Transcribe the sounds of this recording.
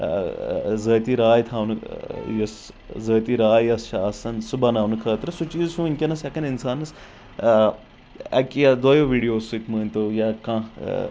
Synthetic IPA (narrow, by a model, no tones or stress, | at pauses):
zəːt̪iɾaːjt̪ʰaːwnjɐs | zəːt̪iɾaːjjɐsʃaːsɐnsubanaːwnɨkʰəːt̪ɾɨsut͡ʃiːzsũinʲkʲɐnɐsɐkɐnɪnsaːnɐs | ɐ̰kijad̪ɐːjoːʋiːɽijoːsukməːnʲt̪ojakãː